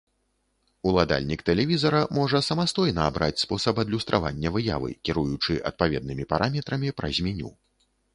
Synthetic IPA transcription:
ulˠad̪a̰lʲnʲikt̪ɛlʲɛvʲizɐɾɐmɔʐɐsɐmast̪ɔjnɐːbɾʔat͡sʲspɔsɐpɐd̪lʲust̪ɾʔavanʲːɐvɨja̰vɨ̰kʲiɾujut͡ʂɨʔɐ̰t̪̚pavʲɛd̪̚nɨmʲipaɾʔamʲɛt̪ɾɐmʲipɾɐ̰zʲmʲɛnʲṵ

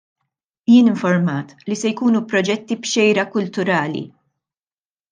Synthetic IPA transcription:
jɪːnɪɱfɔɾmɐːt̪lisɛjkuːnupɾɔd͡ʒɛt̪ːibʃɛjɾɐkʊlt̪ʊɾɐːlḭ

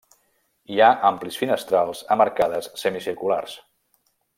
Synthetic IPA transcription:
iaʔamplisfinəst̪ɾalˠzəməɾkaðəsːəmisiɾkulars

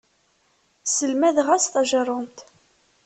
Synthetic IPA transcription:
səlmæðʁæsθɑʒəɾˤənt̪

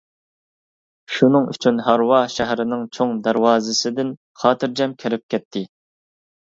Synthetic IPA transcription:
ʃunɨŋy̰t͡ʃʰynɦɑɾwɑʃæɦɾɪnɪŋt͡ʃʰoŋd̪æɾwɑːzɨsɪd̪ɪn | χɑːt̪ʰɨɾd͡ʒɛmkʲʰæɾɪp̚kʲʰɛt̪ʰːɪ

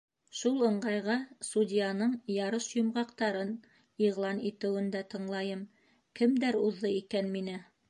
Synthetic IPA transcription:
ʃulˠɤ̆ɴɢɑjʁɑsudʲijanɤɴjɑɾɤʃjŏmʁɑqt̪ɑɾɤn | iʁlˠɑnit̪ɘ̆wɘ̆nd̪æt̪ɤ̆ɴlˠɑjɤm | kɘ̆md̪æɾuðːˠɤikænminɘ

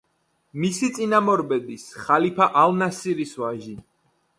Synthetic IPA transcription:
misit̪sʼinamɔɾbɛb̪isχalipʰaʔalˠnasiɾisvaʒi

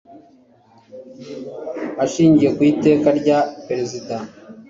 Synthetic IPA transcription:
aʃiːɲɟije̞kwiːte̞ːkaɾɟapeɾezida

